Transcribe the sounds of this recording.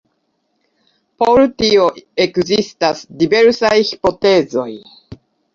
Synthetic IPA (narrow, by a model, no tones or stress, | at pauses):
poɾut̪io̞e̞kzist̪asd̪ibe̞ɾsajçi̥po̞t̪e̞ːzo̞j